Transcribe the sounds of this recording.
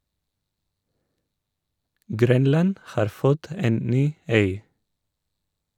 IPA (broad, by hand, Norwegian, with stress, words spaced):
ˈɡɾœnlɑn ˈhɑːɾ ˈfɔt ˈeːn ˈnyː ˈœʏ